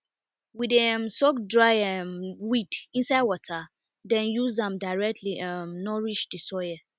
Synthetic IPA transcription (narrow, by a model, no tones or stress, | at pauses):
widɛ̃msɔkdɹajɛwidĩnsaɪdwɔtʰa | dɛ̃njuzdãmdaɪɹɛk̚tʰliʔamnɔɹiʃdisɔjə